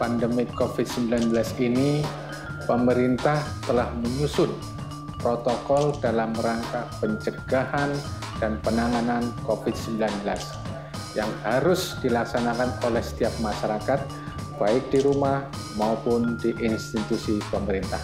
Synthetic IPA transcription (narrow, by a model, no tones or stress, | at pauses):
pandəmikofɪt̪̚səmbilanbəlasini | pəməɾint̪aht̪əlahməɲusʊt̪̚ | pɾot̪okɔldalamːəɾaŋkapəɲt͡ʃəɡ̥ahan | d̥anpənaŋanankofɪd̪̚səmbilanbəlas | jaŋhaɾʊsd̥ilaksanakanolɛhsə̥t̪iap̚maʃaɾakat̪̚ | b̥aɪk̚diɾumah | maupʊndiʔɪnst̪it̪usipəməɾint̪ah